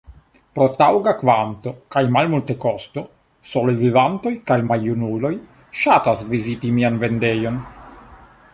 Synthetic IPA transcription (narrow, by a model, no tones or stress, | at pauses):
pɾo̞tawɡakvanto̞kajmalmulte̞ko̞st̪o̞ | solojvivanto̞jkajmajunulo̞j | ʃatasvizitimianve̞nde̞jo̞n